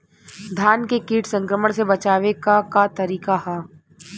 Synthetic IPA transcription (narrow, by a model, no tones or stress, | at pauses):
d̪ʱjaːnkekiːʈʰsɐ̃ŋkɾəməɽ̃sebɐt͡ʃaːʋekakat̪ɐɾiːkaɦɛː